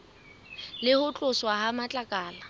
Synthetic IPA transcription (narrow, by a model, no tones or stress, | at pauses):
lɪhʊt͡ɬʼʊswahamat͡ɬʼakʼaːla